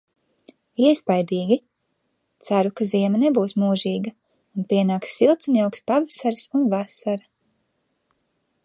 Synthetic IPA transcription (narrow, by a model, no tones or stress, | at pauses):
iɛspajd̪iːɡʲi | t̪saɾukaziɛmɐnebuːsmuːʒiːɡɐ | unpiɛnaːksːilˠt̪sinʲawkspavasaɾsunvasaɾa